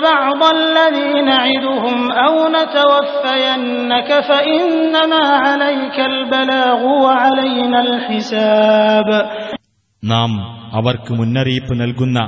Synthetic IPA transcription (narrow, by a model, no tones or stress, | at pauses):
bɑʕd̪ˤlːɐðiːnaʕɪd̪ʊɦʊmʔawnat̪awafːajanːakafaʔɪnːamaːʕalajkalbalaːɣʊwaʕalajnaːlħɪsaːb | naːmɐʋɐrkɨmunːɐriːpːɨnɐlkunːɐ